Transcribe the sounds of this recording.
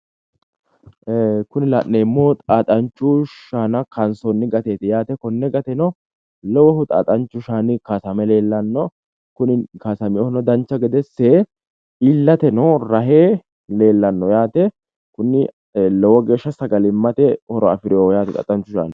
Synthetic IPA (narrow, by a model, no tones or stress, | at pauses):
kʊnɪlaʔneːmːɔt̪ʼaːt̪ʼɐnt͡ʃːʊʃaːnɐkɐnsɔnːɪɡɐt̪e̞ːt̪ɪjaːt̪ɛkɔnːɛɡɐt̪ɛnɔ | lɔwɔɦʊt̪ʼa̰ːt̪ʼɐnt͡ʃːʊʃaːnɪkasɐmɛle̞ːlːɐnːɔ | kʊnɪkasɐmɪɔhnɔd̪ɐnt͡ʃːɐɡɛd̪ɛsːe | ɪlːɐt̪ɛnɔɾɐɦeː | le̞ːlːɐnːɔjaːt̪ɛ | kʊnːɪ | lɔwɔɡe̞ːʃːɐsɐɡɐlɪmːɐt̪ɛhɔɾɔɐ̰fɪɾɪoːjaːt̪ɛt̪ʼɐ̰t̪ʼɐnt͡ʃːʊʃa̰ːn